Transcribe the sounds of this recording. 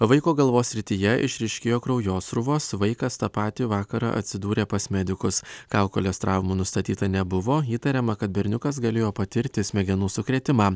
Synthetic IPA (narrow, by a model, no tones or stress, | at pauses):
ʋɐɪkoːɡɐlˠʋoːsʲɾʲɪt̪ʲijɛʔɪ̰ʃʲɾʲɪʃʲkʲeːjoːkɾɒʊjoːsɾʊʋoːsʋɐɪkɐst̪ɐpɑːt̪ʲiʋɑːkɐɾɑ̰ʔɐ̰t̪ʲsʲɪd̪uːɾʲeːpɐsmʲɛd̪ʲɪkʊskɑʊkolʲɛst̪ɾɑːʋmuːnʊst̪ɐt̪ʲiːt̪ɐnʲɛbʊʋoːiːt̪ɐɾʲɛmɐkɐt̪̚bʲɛɾʲnʲʊkɐsɡɐlʲeːjoːpɐt̪ʲɪɾʲt̪ʲɪsʲmʲɛɡʲɛnuːsʊkɾʲɛːt̪ʲɪmɑː